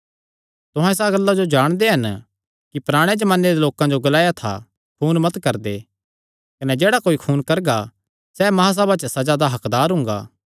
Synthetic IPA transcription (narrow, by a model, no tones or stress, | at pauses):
t̪ʊɦãɪs̬aɡɐlːad͡ʒod͡ʒaːɽ̃d̪eɦɐn | kipɾaːɽ̃ed͡ʒɐmãːnːed̪eloːkãd͡ʒoɡɐlaːjat̪ʰa̰ | kʰuːnmɐt̪kɐɾd̪eː | kɐnɛd͡ʒeːɽakoːikʰuːnkɐɾɡa | sɛmɐɦas̬ɐbat͡ʃəsɐd͡ʒad̪aɦɐkd̪aːɾɦʊ̃ŋ̆ɡa̰ː